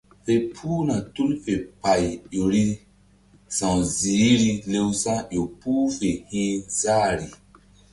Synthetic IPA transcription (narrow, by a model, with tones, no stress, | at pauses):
fe˨pʰuː˦na˨tu˦lfe˨pa˨jjo˨ɾi˦ | sã˨wziː˨˦ɾi˦le˦wsã˦ʔjo˨puː˦fe˨hĩː˦zaː˦ɾi˨